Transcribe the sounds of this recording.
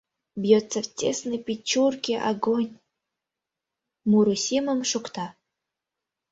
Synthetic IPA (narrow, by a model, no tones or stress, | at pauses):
bjot͡sːɐftʲesnɨjpʲit͡ɕːurkʲiʔa̰ɡonʲ | muɾusʲiməmʂukt̪a